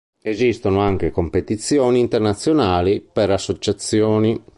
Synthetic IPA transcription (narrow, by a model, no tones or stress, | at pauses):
ezist̪onoaŋk̟ekompet̪it̪sːjɔːniːnt̪ernat̪sːjonaːlipeɾasːot͡ʃat̪sːjɔːni